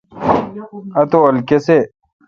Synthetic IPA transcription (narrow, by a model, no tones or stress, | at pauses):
ɐt̪oɐlkese